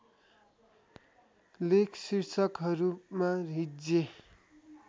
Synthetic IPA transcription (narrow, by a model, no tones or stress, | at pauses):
lekʰsirsʰʌkɦʌɾumarid͡ze